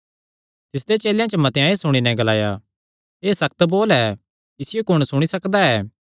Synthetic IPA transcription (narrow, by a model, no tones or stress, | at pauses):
t̪ɪsd̪et͡ʃeːljãt͡ʃəmɐt̪eãːesʊɽ̃inɛ̃ɡɐlaːja | eːsɐk̚t̪boːlɛː | ɪsɪjokʊɽ̃sʊɽ̃isɐkd̪aɛː